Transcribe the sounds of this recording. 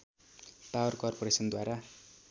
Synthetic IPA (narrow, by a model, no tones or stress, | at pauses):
pawʌrkʌrpoɾesʌnd̪waɾa